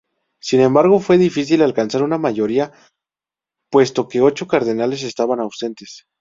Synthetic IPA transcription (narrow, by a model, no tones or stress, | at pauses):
sinẽ̞mbaɾɣ̞o̞fwe̞ðifis̬ilalkansaɾunamaʝo̞ɾia | pwe̞st̪o̞ke̞o̞t͡ʃo̞kaɾðe̞nale̞s̬e̞st̪aβanawse̞nt̪es